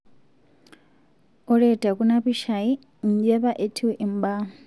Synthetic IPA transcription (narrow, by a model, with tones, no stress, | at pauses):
ɔ˦ɺɛ˨tʼa˨kunaβi˦ʃa˨i˦ | n˨d͡ʒɛ˦βa˦ʔe˨tʰi˦wɛ˦ʔi˨m˦ba˦